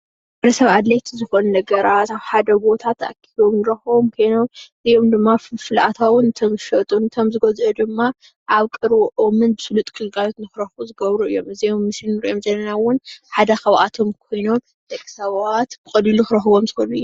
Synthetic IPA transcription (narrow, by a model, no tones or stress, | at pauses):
bɨɾɐsɐβad̪lɐjt̪ʰizɨxonunɐɡɐɾat̪aβħad̪ɐbo̞t̪ʰat̪a̰ʔkʰiβomnɨɾɐxomkʰojno̞mɨzijomd̪ɨmːaffɨlʔat̪ʰawʊnɨt̪ʰomʃɐt̪ʼunɨt̪ʰomzɨɡɐzʔɐd̪ɨmːa | ʔaβkʼɨɾwɔʔomɨnbɨsɨlut̪ʼkʰʼɨlɡajot̪nɨxɾɐxuzɨɡɐβɾuɨ̰jːo̞mɨzijomːɨslinɨɾiʔomzɐlːɐnawʊnħad̪ɐxɐwʔat̪ʰo̞mkʰo̞jno̞m | d̪̥ɐkʼːsawat̪b̥ɨkʼɐliluxɾɐxɨβomzɨxonuɨjː